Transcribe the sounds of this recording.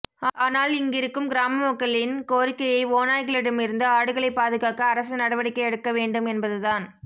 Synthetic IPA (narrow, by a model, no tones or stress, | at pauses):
aːnaːlɪŋɡɪɾɯkːɯmɡɪɾaːmɐmɐkːɐɭɪnkoːɾɪkːɐjɐɪoːnaːjɣɐɭɪɽɐmɪɾɯnd̪ɐaːɽɯɣɐɭɐɪpːaːðɯɣaːkɐːɾɐs̬ɯnɐɽɐʋɐɽɪkːɐɛɽɯkːɐʋeːɳɖɯmɛnbɐðɯðaːn